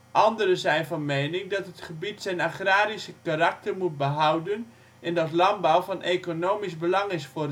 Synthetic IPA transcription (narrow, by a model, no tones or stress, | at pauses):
ʔɑndərəzɛjnvɔnmeːnɪŋdɔtɦətχəbitsɛjnaχraːɾisəkarak̚tərmut̚bəɦawdən | ɛndɑtlɑmbawfɑnʔeːkonoːmisbəlɑŋɪsfʊ